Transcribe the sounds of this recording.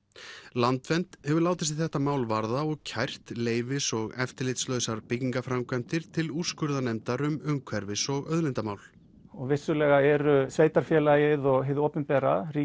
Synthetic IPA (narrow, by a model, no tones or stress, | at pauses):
lant̪vɛnt̪hɛvʏɾlaːwt̪ɪst̪ɪθɛht̪amaːwlvaɾðaɔɣcʰajr̥t̪leːjvɪsɔɣɛft̪ɪɾlɪt̪slœɥsaɾpɪciŋkafɾamkʰɛnt̪ɪɾ̥t̪ʰɪlu̥skʏɾðanɛmt̪aɾʏmʏŋkʰvɛɾvɪsɔɣœðlɪnt̪amaːwl | ɔɣvɪsʏlɛɣaɛɾʏsveːjt̪aɾ̥fjɛlajɪðɔɣɦeðoːpʏmpɛːɾaɾi